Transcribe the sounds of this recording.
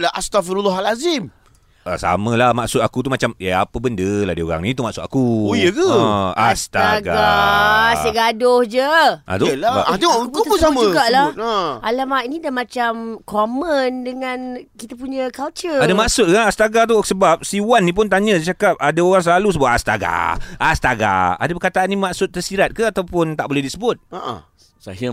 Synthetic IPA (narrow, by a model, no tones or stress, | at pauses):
laʔast̪afiɾulːɔɦalazim | a̰sa̰mə̃lahmaʔsʊt̪̚akut̪umat͡ʃamaa̰pəbəndəla̰hdio̰ɣa̰ŋnit̪umaʔsʊt̪akuojəkəast̪aɡaa | saɡadʊhd͡ʒəʔa̰t̪ulaaat̪iwamət̪uəsamə̃ɡaʔlaəalamaʔinidamat͡ʃamkoməndəŋankit̪apuɲəkalt͡ʃəadamaksʊt̪̚kaast̪aɡat̪usəbap̚siwanːĩp̬ʊnt̪aɲə̃t͡ʃakap̚adaoɣaŋs̬əlalusəbʊt̪ast̪a̰ɡa̰ʔast̪aɡa̰a̰dapəkat̪aʔanːimaksʊt̪̚ːərsiɾat̪̚kəat̪awpʊnt̪aʔbolɛhdisəbʊt̪̚aʔa̰ | sa̰ɦə